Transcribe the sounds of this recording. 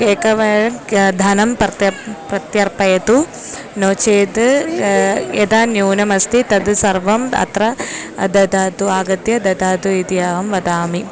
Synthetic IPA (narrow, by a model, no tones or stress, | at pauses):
keːkɐʋɐɐd̪ʱɐnɐmpɐɐpɾɐt̪jɐɾpɐjɐt̪u | noːt͡ʃeːd̪ | ed̪aːnjuːnɐmɐst̪it̪ɐd̪sɐɾʋɐmɐ̰t̪ɾɐd̪ɐd̪aːd̪uaːɡɐd̪jɐd̪ɐd̪aːd̪uid̪jaːɦɐmʋɐd̪aːmi